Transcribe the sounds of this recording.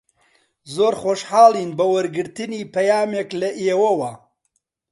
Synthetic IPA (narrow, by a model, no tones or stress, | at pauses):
zoːɾxoːʃħɑːlˠiːnbɐwɐɾɡɨɾt̪ɨniːpɐjaːmeːklɐʔeːwɐwɐ